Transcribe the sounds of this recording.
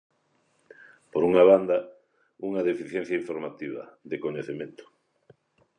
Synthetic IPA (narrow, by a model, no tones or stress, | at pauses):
poɾuŋaβand̪ɐ | uŋaðefiθjɛnθjaiɱfoɾmat̪iβ̞ɐ̰ðekoɲeθemẽnt̪ʊ̥